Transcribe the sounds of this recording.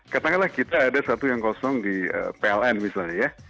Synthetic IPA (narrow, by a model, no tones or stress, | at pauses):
kat̪aŋalahkit̪aːdasat̪ujaŋkosɔŋdiə̰ːpeɛlɛnmisalɲaja